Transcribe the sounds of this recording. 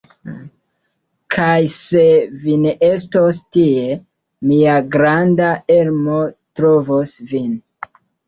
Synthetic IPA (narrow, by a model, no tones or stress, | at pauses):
kʰajse̞vineʔe̞stostie̞ | miaɡɾandae̞lmo̞tɾovosvin